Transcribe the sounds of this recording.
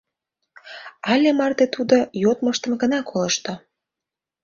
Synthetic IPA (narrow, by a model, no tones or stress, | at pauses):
ɑlʲemɑrt̪et̪ud̪ojot̪məʃt̪ə̆mɡənɑkʰoləʃt̪o